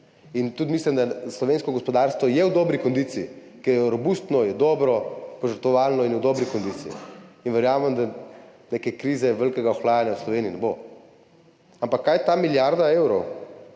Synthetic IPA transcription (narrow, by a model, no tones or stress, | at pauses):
int̪ut̪mislimd̪aslɔʋenskɔɡɔspɔd̪aɾst̪ʋɔjɛwd̪ɔːbɾikɔnd̪iːt̪siː | kɛɾjɛɾɔbust̪nɔjɛd̪ɔːbɾɔpɔʒəɾt̪ʋɔʋaːlnɔinjud̪ɔːbɾikɔnd̪it̪siḭinʋɛɾjaːmɛmd̪anekɛkɾiːzɛʋɛlkɛɡaɔxlaːjanjawslɔʋeːniinɛbo | ampakʰːajt̪amiljaɾd̪aewɾɔw